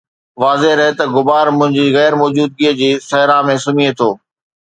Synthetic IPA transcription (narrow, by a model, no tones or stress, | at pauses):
ʋaːzeɾɐɦet̪ɐɡʊbaːɾmʊ̃ɦɪ̃ɲd͡ʑiːɣɛːɾmɔːd͡ʑuːd̪̚ɡiːəd͡ʑiːsɐɦɾamẽsʊmiet̪ʰoː